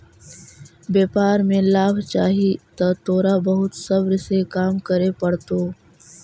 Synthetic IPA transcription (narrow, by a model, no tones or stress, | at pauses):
bjeːpaːɾmẽlaːbʱt͡ʃaːɦit̪at̪oːɾabəɦʊt̪sɐbɾsekaːmkəɾepəɽt̪oː